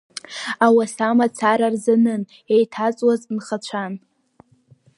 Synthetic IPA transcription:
awasamat͡sʰaɾarzanɨn | ejtʰat͡sʼwaznχat͡ɕʷʰan

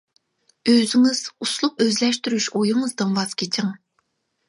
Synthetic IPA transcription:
øzyŋɪz̥uslˠup̚øzlɛʃt̪yɾyʃojuŋɨzd̪ɨmwɑz̥kʲʰet͡ʃʰɪŋ

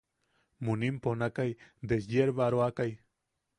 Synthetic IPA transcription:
munimponakajd̪esjeɾβaɾoakaj

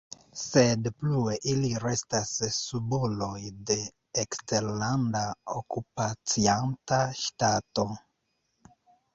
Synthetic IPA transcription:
se̞dplue̞ʔiliɾe̞stasːubulo̞jde̞ː | kste̞ɾlandaokupat͡siantaʃtato̞

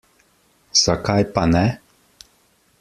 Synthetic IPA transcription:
z̥akajpanɛ

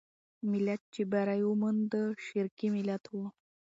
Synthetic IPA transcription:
milat̪̚t͡ɕibaɾajumənd̪əɕiɾkimilat̪wu

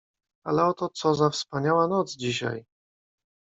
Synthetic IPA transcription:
alɛɔt̪ɔt̪sɔzafspaɲawanɔdt̪zd͡ʑiɕa̰j

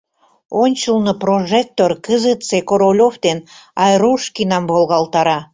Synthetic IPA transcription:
onʲt͡ɕəlnəproʒek̚t̪orkəzət̪sekoɾolʲofd̪enɑjɾuʃkinɑmbolˠɣɑlˠt̪ɑɾɑ

